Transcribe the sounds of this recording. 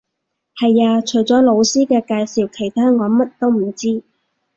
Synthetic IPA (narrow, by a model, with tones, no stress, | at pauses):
hɐ˨jaː˧t͡ʃʰɵ˨˩jt͡sɔː˨˥lo˨˧wsiː˥kɛː˧kaː˧jsi˨˩wkʰe˨˩jt̪ʰaː˥ŋɔː˨˧mɐ˥t̚t̪o˥wm̩˨˩t͡siː˥